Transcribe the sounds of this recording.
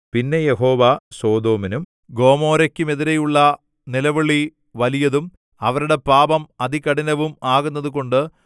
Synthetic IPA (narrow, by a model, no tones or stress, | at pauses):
pinːe̞je̞ho̞ːʋɐso̞ːd̪o̞ːminum | ɡo̞ːmo̞ːɾɐkʲːume̞ðiɾejuɭːɐ | nilɐʋiɭi | ʋɐlijɐðum | ɐʋɐɾuɽe̞paːbɐmɐðikɐɽinɐʋumaːɣunːɐðuko̞ɳɖɨ